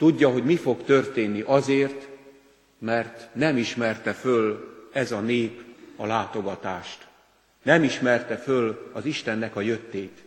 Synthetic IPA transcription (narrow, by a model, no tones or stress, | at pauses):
t̪uɟːɒɦo̞ɟmifo̞kt̪ø̞rt̪eːnːiʔɒzeːrt̪ | mɛrt̪nɛmiʃmɛrt̪ɛfølɛzɒneːpɒlaːt̪o̞ɡɒt̪aːʃt̪ | nɛmiʃmɛrt̪ɛfølɒziʃt̪ɛnːɛkɒjøt̪ːeːt̪